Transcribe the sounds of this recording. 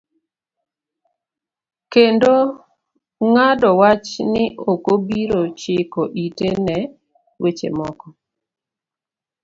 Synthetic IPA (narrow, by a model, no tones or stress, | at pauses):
kendo | ŋadɔwat͡ʃnɪʔokobiɾot͡ʃɪkoʔitenɛ | wʔet͡ʃḛmɔkɔ